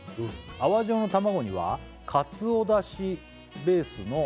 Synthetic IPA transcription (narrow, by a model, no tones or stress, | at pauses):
aβaʑo̞ːno̞t̪amaɡo̞ɲ̟iβa̰ | kʰat͡sɨod̪aɕi | be̞ːsɨno̞